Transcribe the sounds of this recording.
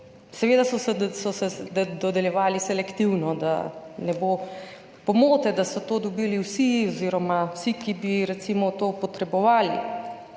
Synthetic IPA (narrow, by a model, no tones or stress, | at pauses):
sɛʋeːd̪asɔsɛsɔsɛd̪ɔd̪ɛljɛʋaːlisɛlɛkt̪iwnɔd̪a̰nɛbo | pɔmoːt̪ɛd̪asɔt̪oːd̪ɔbiːliwsiɔziɾɔmawsikibiɾɛt̪simɔt̪oːpɔt̪ɾɛbɔʋaːlḭ